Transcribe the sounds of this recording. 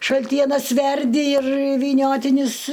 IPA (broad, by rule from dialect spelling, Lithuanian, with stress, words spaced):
ʃɐlʲˈtʲiɛnɐs ˈʋʲɛrʲdʲɪ ɪr ʋʲiːˈnʲoːtʲɪnʲʊs